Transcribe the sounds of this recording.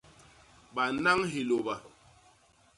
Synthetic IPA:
ɓa˨na˦ŋɦi˨lo˨ba˨

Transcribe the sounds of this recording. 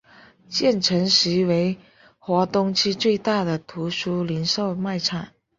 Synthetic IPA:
t͡ɕjɛ˥˩nʈ͡ʂʰə˧˥ŋʂɻ̩˧˥we˧˥ɪ | xwɔ˧˥t̪ʊ˥ŋt͡ɕʰi˥t͡swe˥˧ɪt̪a˥˩d̪ə˩t̪ʰu˧˥ʂu˥li˧˥nʂo˥˧ʊma˥˧ɪʈ͡ʂʰa˨˩˦ŋ

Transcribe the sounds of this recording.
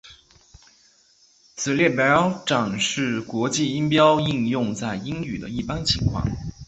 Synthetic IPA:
t͡sʰɹ̩˨˩ljɛ˥˩pjɑ˥ʈ͡ʂɑ˨˩ŋʂɻ̩˥˩kwɔ˧˥t͡ɕi˥˩i˥ŋpjɑ˥ʊi˥˧njʊ˥˧ŋt͡sa˥˩ɪi˥ŋy˨˩d̪ə̰˦i˥˩pa˥nt͡ɕʰḭ˧˥ŋkʰwɑ̰˥˩ŋ

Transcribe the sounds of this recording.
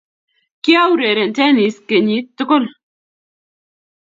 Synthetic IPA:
ki˦a˦wɾe˨ɾe˨ntɛ˦ni˨˦ske˨ɲi˨˦t̪ːʊ˦kʊ˦˨l

